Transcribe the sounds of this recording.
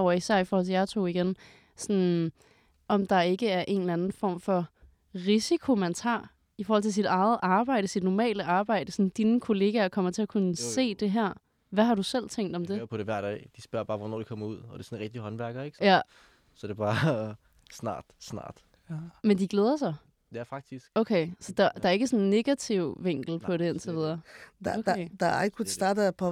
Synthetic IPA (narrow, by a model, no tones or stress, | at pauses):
ɒʊɐisæɐ̰ifɔːhɒl̰t͡sʰe̝jɑ̈t͡sʰo̝̰ːiɡ̥en | sɔn | ʔɒ̽md̥ɑ̈e̝ɡ̥əæɐʔe̝̰ːnlænn̩fɒ̰mfɒ̽ | ʁisikʰo̝mænt͡sʰɑ̈ | ifɒɔːhɒl̰t͡sʰe̝s̬id̥ɑ̈ɪð̩ˠʔɑ̈ːb̥ɑ̈ɪ̰ɾ̥əsid̥nɒmɛ̰ːləʔɑ̈ːb̥ɑ̈ɪ̰d̥əsɔnn̩d̥inəkʰo̝le̝ːɡ̥ækʰɒ̽m̰ɐt͡sʰe̝ɐkʰunəse̝̰ːd̥e̝ɦæɐ̰ | ʋæɦɑ̈ɾusel̰t͡sʰeŋ̰d̥ɒ̽md̥e̝pʰɒɾ̥eʋæɐ̰d̥ɛ̰ɪd̥isb̥ɶɐ̰b̥ɑ̈ːʋɒnɔ̰ːdikʰɒ̽mɐuð̞̰ˠɒ̽d̥e̝sɔnʁɛɡ̥̚d̥iɦɒ̽nʋæɐɡ̥ɐeɡ̥jæ | sɒd̥e̝b̥ɑ̈ː | snɑ̰̈ːd̥snɑ̰̈ːd̥ | mend̥iɡ̥leːð̞ˠɐsɑ̈ɪ | d̥e̝æɐfɑ̈ɡ̥̚d̥isɡ̥okʰeɪsɒ̽d̥ɑd̥ɑ̈æɐe̝ɡ̥əsɔ̽nnːe̝ɡ̥æt͡sʰiʊ̰ʋeŋ̰ɡ̥l̩pʰɒ̽ɾe̝ent͡sʰeʋiðˠɐd̥d̥d̥ɑeɡ̥kʰu̥sd̥ɑːdəæpʰɒ